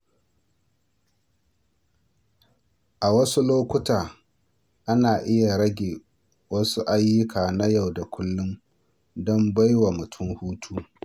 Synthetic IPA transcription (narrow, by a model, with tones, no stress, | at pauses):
ʔa˨wɐ˦su˦loː˦kʷʊ˦taː˨ | ʔa˦naː˨ʔɪ˦ja˨ɾɐ˦ɡʲeː˨ | wɐ˦su˦ʔa˦jːʊ˦kʰaː˨na˦ja˦˨wda˨kʷʊ˦lːʊ˦m | dɔ˦mba˦jwa˨mʊ˨tʰʊ˦mhuː˦tʰuː˦